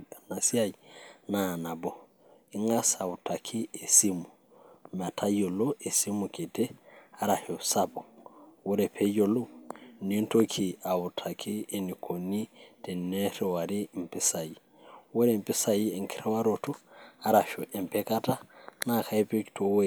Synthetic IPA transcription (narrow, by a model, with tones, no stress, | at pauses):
a˨na˨si˦a˦jna˦˨na˨bo˨ | i˨ŋa˦sa˨wu˨tʰa˨kʰi˦e˨si˦mu | ma˨tʰa˦jo˨lo˦ʔe˨si˦mu˨ke˨te˦a˦ɾa˨ʃo˨sabo˨wo˦ɾepʰe˦jo˨lo˦ni˦nto˦kʰi˨a˨wu˨tʰa˨kʰi˦e˨ni˨kʰo˨ni˦te˨ne˦ɾe˨wa˨ɾi˦mpi˦sa˨ji˨ | wo˦ɾe˨mpi˦sa˨jie˨ŋki̥ɾe˦wa˦ɾo˨to˦a˦ɾa˨ʃo˨ʔe˨mpe˦ka˦ta˦na˦ka˦i˦pe˦ktʰo˨we